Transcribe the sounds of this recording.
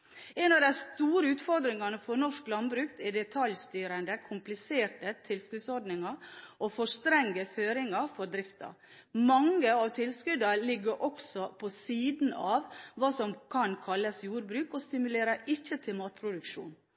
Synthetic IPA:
ɛnɑʋd̪æɪst̪uːɾəʉːt̪fɔɾd̪ɾɪŋɑnəfɔɾnɔʂklɑnbɾʉːkt̪ɛɖɛt̪ʰɑljst̪yːɾənd̪əkʰʊmplɪseːʈət̪ʰɪlskʉːd̪sɔɾɖnɪŋɑɾʔɔfɔʂt̪ɾɛŋɡəføːɾɪŋɑɾfɔɾd̪ɾɪft̪ɑ̰ɾ | mɑŋəɑʋt̪ʰɪlskʉd̪ɑɾlɪɡːəɾʔɔksɔpʰɔsiːd̪n̩ɑːʋʋɑːsɔmkʰɑnkʰɑlːəsjuːɾbɾʉːkɔst̪ɪmʉleːɾəɾɪçət̪ʰɪlmɑːt̪̚pʰɾʊd̪ʉkʃṵːn

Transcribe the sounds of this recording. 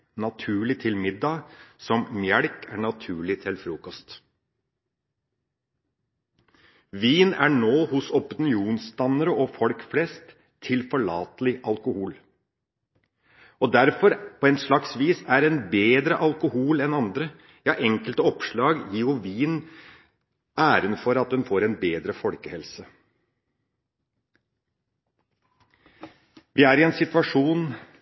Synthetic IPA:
nɑt̪ʰʉːɭɪt̪ʰɪlmɪd̪ːɑsɔmmjɛɽkʰæɳɑt̪ʰʉːɭɪt̪ʰɪlfɾuːkɔst̪ | ʋiːnæ̰ɳoːhʊsɔpɪnɪuːnst̪ɑnəɾəʔɔfɔlkflɛst̪ʰː | ɪlfɔɭɑːt̪əlɪʔɑlkʊhuːl | ɔd̪æɾfɔɾpʰɔɛnʂɭɑksʋiːsæɾɛnbeːd̪ɾəʔɑlkʊhuːlɛnɑnd̪ɾə | jɑːʔɛŋkəlt̪əɔpʂɭɑːɡjiːjʊʋiːn | ʔæːɾənfɔɾɑt̪̚d̪ɛnfoːɾɛnbeːd̪ɾəfɔlkəhɛlsə | ʋʔɪæːɾɪɛnsɪt̪ʋɑʂuːn

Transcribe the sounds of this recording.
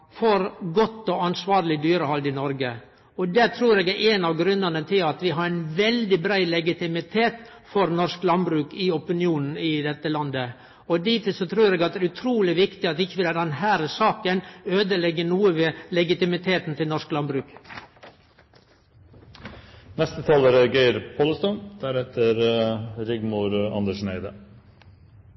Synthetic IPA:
fɔɾɡɔt̪ːɔɑnsʋɑːɾlɪd̪yːɾəhɑld̪ɪnɔɾɡə | ɔd̪æt̪ʰɾuːɾeːɡæʔɛnɑʋɡɾʉnːənət̪ʰɪlɑt̪ʋɪɦɑɾæɪnʋɛld̪ɪbɾæɪlɛɡɪt̪ɪmɪt̪ʰeːt̪ | fɔɾnɔʂklɑnbɾʉːkɪɔpɪnɪuːnn̩ɪd̪ɛt̪ːəlɑnd̪ə | ɔd̪iːt̪ʰɪsɔt̪ʰɾʉːɾeːɡɑt̪d̪æːɾʉt̪ʰɾuːlɪʋɪkt̪ɪɑt̪ɪçːəʋɪd̪ɛnd̪ɛnɦæːɾəsɑːkənøːd̪əlɛɡːəɳuːəʋeːlɛɡɪt̪ɪmɪt̪ʰeːt̪n̩t̪ʰɪlnɔɾʂklɑnbɾʉːk | nɛst̪ət̪ʰɑːləɾəɡeɪɾpʰoːləst̪ɔnd̪̥æɾɛt̪əɾɾɪɡmuɾɑ̰nd̪əʂɳæɪd̪ə̰

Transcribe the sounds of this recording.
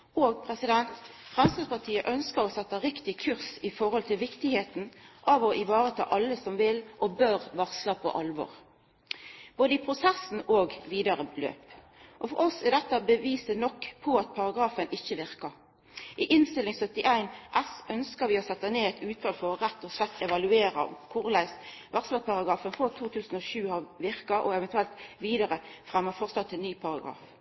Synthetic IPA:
oːɡ̚pʰʁɛsɪd̪ɛnt̪fʁɛmst̪ɑspɑʁt̪ʰiːəʔœnskəʁɔsɛt̪ːəʁɪkt̪ɪkʰʉʁsɪfɔɾhɔlt̪ʰɪlʋɪkt̪ɪheːt̪n̩ʔɑʋɔʔɪʋɑːɾət̪ʰɑ̰ːʔɑlːəsɔmʋɪlʔɔbøːɾʋɑʁslɑpʰo̰ʔɑlʋɔ̰ːʁ | b̥oːd̪əɪpʰʁʊsɛsn̩oːɡʋiːd̪ɑʁəlø̰ːp | ʔɔfɔʁɔsɛd̪ɛt̪ːəbəʋiːsənɔkːpʰɔɑt̪̚pʰɑʁɑɡɾɑːfənɪçːəʋɪʁkɑ | ʔɪʔɪnst̪ɪlɪŋsœt̪ːɪʔæɪnʔɛsʔœnskəʋɪɔsɛt̪ːɑneːɛt̪ʰʉːt̪ʰɑlfɔʁʁɛt̪ːɔsɛt̪ːɛʋɑlʉeːɾɑ̰kʰʊʁlæɪs | ʋɑʁslɑpʰɑʁɑɡɾɑːfənfɑt̪ʰuːt̪ʰʉːsn̩ɔʃʉːhɑʋɪʁkɑʔɔ̰ɛʋɛnt̪ʰʉɛlt̪ʋiːd̪ɑʁəfʁæmːəfɔʁsɑt̪ːɛnːyːpʰɑʁɑɡɾɑ̰ːf

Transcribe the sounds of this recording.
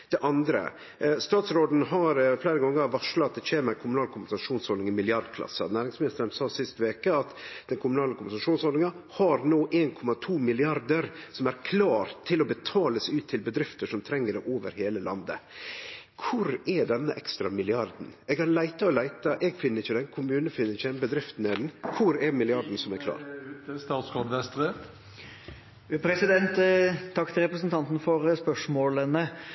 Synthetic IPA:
d̪̥ɛʔɑnd̪ɾə̰ | st̪ɑːt̪sɾoːd̪n̩ɦɑɾfleːɾəɡɑŋːəʋɑʂlɑt̪̚d̪ɛçeːmɛkʰʊmʉnɑːlkʰʊmbənsɑʂuːnshɔlnɪŋmɪlɪɑɾd̪kʰlɑ̰sːə̰næːɾɪŋsmɪnɪst̪əɾənsɑːsɪst̪ʋeːkəɑt̪d̪̥ɛnkʰʊmʉnɑːləkʰʊmənsɑʂuːnsɔlɪŋɑhɑɾnoːʔeːnkʰɔmːɑt̪ʰuːmɪlɪɑɾd̪əɾsɔmæɾkʰlɑːɾt̪ʰːɪlɔbət̪ʰɑːləsʉːt̪ʰːɪlbəd̪ɾɪft̪əʂɔmt̪ʰɾɛŋːəɖɛʔoːʋə̰ɾheːləlʔɑ̰nd̪ə̰ | kʰʊɾɛɖɛnːəʔɛkst̪ɾɑmɪlɪɑɾd̪n̩ɛɡhɑɾlæɪt̪ɑɔlæɪt̪ɑʔɛɡfɪnːəɾɪçːəd̪ɛnkʰʊmʉːnəfɪnːəɾɪçəd̪ɛnbəd̪ɾɪft̪n̩ɛd̪n̩kʰʊɾɛmɪlɪɑɾd̪n̩sɔmæɾkʰlɑ̰ːɾt̪əst̪ɑːt̪skʰɔd̪ʋɛst̪ɾə | pʰɾɛsɪd̪ɛnt̪t̪ʰːɑkːt̪ʰɪlɾɛpɾəsənt̪ʰɑnt̪n̩fɔɾspœʂmoːlənə

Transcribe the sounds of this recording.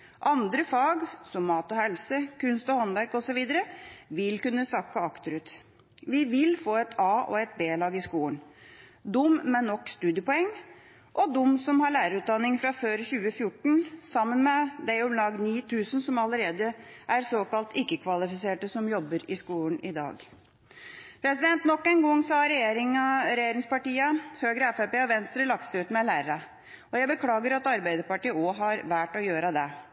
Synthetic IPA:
ʔɑnd̪ɾəfɑːɡsɔmːɑːt̪ɔhɛlsəkʰʉnst̪ɔhɔnʋæɾkɔsɔʋiːd̪əɾəʋɪlkʉnːəsɑkːəɑkt̪əɾʉːt̪ | ʋɪʋɪlfoːɛt̪ʰɑːɔ̰ɛt̪̚beːlɑːɡɪskuːənd̪ʊmmɛnːɔkːst̪ʉːd̪jəpɔɛŋː | ʔɔd̪ʊmːsɔmhɑɭæːɾəɾʉːt̪̚d̪ɑnːɪŋfɾɑføːɾçʉːəfjʊʈɳ̩sɑmːənmɛd̪æʊmlɑːɡniːt̪ʰʉːsənsɔmɑləɾeːd̪əʔæɾsoːkɑlt̪ɪkːəkʰʋɑlɪfɪseːʈəsɔmjɔbːəɾɪskuːlənɪd̪ɑ̰ːɡ | pʰɾɛsɪd̪ɛnt̪nɔkːɛɪnɡɔŋːsɑɾɛjeːɾɪŋɑɾɛjeːɾɪŋspɑʈiːəhøːɡɾəɛfɛpeːɔʋɛnst̪ɾəlɑk̚t̪sɪʉːt̪mɛlæːɾəɾə | ɔjæɪbəkʰlɑːɡəɾɑt̪ɑɾbæɪd̪əɾpɑʈiːəɔɦɑɾʋæːʈɔjøːɾəd̪ɛ

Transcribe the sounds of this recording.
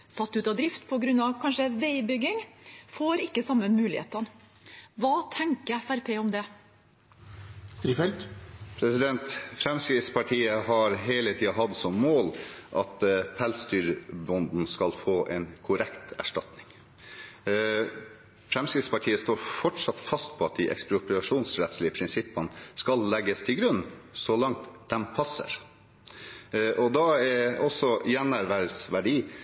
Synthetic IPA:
sɑt̪ːʉːt̪ɑd̪ɾɪft̪pʰɔɡɾʉnːɑʋkʰɑnʂəʋeɪbʏɡɪŋfoːɾɪkːəsɑmːənmʉːlɪhḛːt̪ɑn | ʋɑːt̪ʰɛŋkəæɾpʰeːɔmd̪ɛ | st̪ɾiːfɛlt̪pʰɾɛsɪd̪ɛnt̪fɾɛmskɾɪt̪spʰɑʈʰiːəɦɑɾɦeːlət̪ʰiːɑɦɑd̪sɔmːoːlʔɑt̪pʰɛlst̪yːɾbɔnd̪n̩skɑlfoːʔɛnkʰʊɾɛkt̪æ̰ʂʈɑt̪nɪŋ | fɾɛmskɾɪt̪spɑʈʰiːəst̪oːɾfɔʈʂɑt̪fɑst̪pʰɔɑt̪̚d̪ɪʔɛ̰kspɾʊplɑʂuːnsɾɛt̪slɪəpʰɾɪnsɪpːənəskɑlːɛɡːəst̪ʰɪlɡɾʉnːsɔlɑŋt̪d̪̥ɛmpʰɑsə̰ɾ | ʔɔd̪ɑɛɔsɔjɛnæɾʋæɾsʋæɖiː

